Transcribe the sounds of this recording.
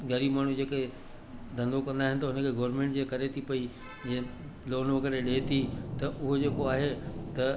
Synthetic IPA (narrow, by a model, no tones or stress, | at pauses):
ɡɐɾiːbmaːɽ̤ud͡ʑeːke | d̪ʱɐ̃nd̪okɐ̃nd̪aːɦɪ̃nɪ̆t̪ɐɦʊnə̃kʰeɡɔːɾmẽːɳʈd͡ʑeːkɐɾet̪ʰipɐi | d͡ʑeː | loːnokɐɾeɗeːt̪ʰit̪ɐʔʊɦod͡ʑeːkoaːɦet̪ɐ